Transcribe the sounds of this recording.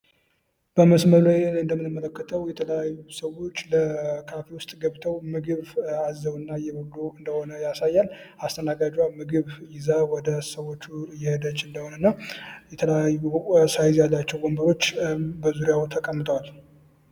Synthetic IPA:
b̥əməsməlajɨnd̪əmːɨnɨmːələkːət̪ʰəwjɛt̪ʰələjajːusəwo̞t͡ʃːləkʰafewʊst̪ʼɡəβt̪ʰəwmɨɡɨβazːəβɨnːajɛbəɡd̪oɨnd̪əho̞nəjasajːal | ast̪ʰənaɡad͡ʒamɨɡɨβjɪzawɔd̪əsəwo̞t͡ʃːujːɛhɨd̪ət͡ʃːɨnd̪əho̞nənːajɛt̪ʰələjajːusajzjalːat͡ʃːɛwɡombəɾo̞t͡ʃːbəzuɾjawt̪ʰəkʼəmːɨt̪ʼwal

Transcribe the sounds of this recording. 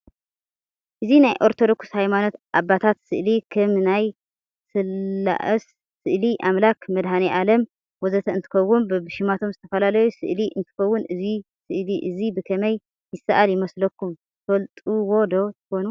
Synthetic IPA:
ʔɨzinajʔo̞ɾt̪ʰo̞d̪o̞kshajmano̞t̪ʔabːat̪ʰat̪sɨʔlikʰɐmnaj | sɨlːa̰ʔɐsː | ɨʔliʔamlakmɐd̪haniʔalɐm | wɔzɐt̪ʰɐɨnt̪ʰɨ̥xɐwːunbbɨʃɪmat̪ʰo̞mzɨt̪ʰɐfɐlalɐjusɨʔliʔɨ̰nt̪ʰɨ̥kɐwːʊnɨzi | sɨʔliʔɨzibɨkʰɐmɐj | jɪsaʔaljɪmɐslɐkːumtʰfɐlt̪ʼuwod̪o̞t̪ʰɨ̥xo̞nu

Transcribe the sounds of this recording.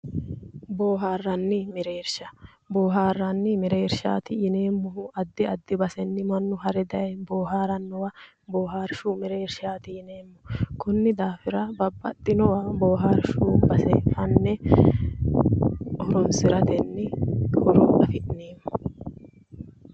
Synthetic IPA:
boːɦaːrːɐnːɪmɛɾe̞ːɾʃɐ | boːɦaːrːɐnːɪmɛɾe̞ːɾʃa̰ːt̪ɪjɪneːmːʊɦʊʔɐd̪ːɪɐd̪ːɪbɐsɛnːɪmɐnːʊɦɐɾɛd̪ɐjboːɦaːɾɐnːɔwɐ | boːɦaːɾʃuːmɛɾeːɾʃaːt̪ɪjɪneːmːʊkʊnːɪd̪aːfɪɾɐbɐbːɐt̪ʼːɪnɔwɐboːɦaːɾʃuːbɐsɛfɐnːɛ | ʔɔɾɔnsɪɾɐt̪ɛnːɪhɔɾɔʔɐfɪʔneːmːʊ

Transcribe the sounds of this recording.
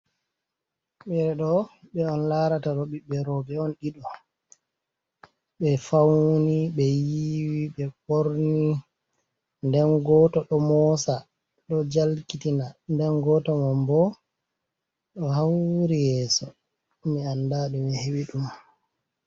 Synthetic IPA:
ɓɛɾɛɗɔɓɛɔnlaɾataɗɔɓiɓɛɾɔbɛɔnɗiɗɔ | ɓɛfawniɓɛjiwiɓɛkoɾni | ndɛnɡɔtɔɗɔmɔsa | ɗɔd͡ʒalkitinandɛnɡɔtɔmambɔ | ɗɔhawɾijɛːsɔ | miandaɗimihewiɗum

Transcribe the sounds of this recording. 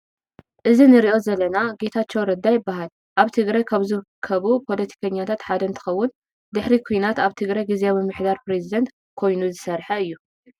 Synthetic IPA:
ʔɨzinɨɾiʔo̞zɐlɐnaɡe̞t̪ʰat͡ʃːowɾɐd̪ːajɪbːaɦal | ʔaβt̪ʰɨɡɾajkʰaβzɨɾkʰːɐβupʰo̞lɐt̪ʰi̥kʰɐɲːat̪ʰat̪ħad̪ɐnt̪ʰɨ̥xɐwːʊn | d̪ɨħɾikʰujnat̪aβt̪ʰɨɡɾajɡizeamɨmːɨħd̪aɾpɾe̞zid̪ɐnt̪ | kʰo̞jnuzɨsɐɾħɐɨjːu

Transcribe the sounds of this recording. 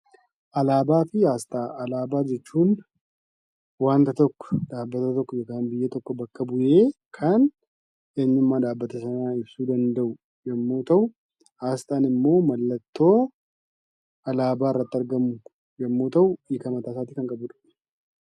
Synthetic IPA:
ʔɐlaːbaːfɪaːst̪ʼaːʔɐlaːbaːd͡ʒɛt͡ʃːuːn | waːnt̪ɐt̪ɔkːɔ̥d̪aːbːɐt̪ɐt̪ɔkːɔjɔkaːnbɪjːɛt̪ɔkːɔbɐkːɐbʊjeːkʰɐn | ʔeːɲːɪmːaːd̪aːbːɐt̪ɐsɐnaːɪbsuːd̪ɐnd̪ɐʔʊ | jɛmːoːt̪ʰɐw | aːst̪ʼaːnɪmːo̞ːmɐlːɐt̪ːo̞ː | ʔɐlaːbaːɪrːɐt̪ːɐɾɡɐmʊ | jɛmːoːt̪ɐwjɪkɐmɐt̪aːsaːt̪iːkɐŋkʼɐbʊᶑʊ̥

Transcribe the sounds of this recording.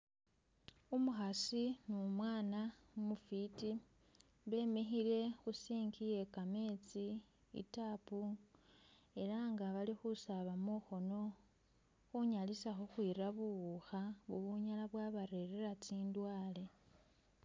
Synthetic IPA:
umuxasinumwaːna | umufiti | βe̞me̞xile̞xusiːŋɡije̞kame̞ːt͡si | ḭtapu | e̞ɾaŋɡaβalixusaβamuxo̞no̞ | xuɲalisaxoxwiːraβuɣuxaβuβuɲalaβwaβaɾe̞ɾeɾat͡siːndwaːle̞

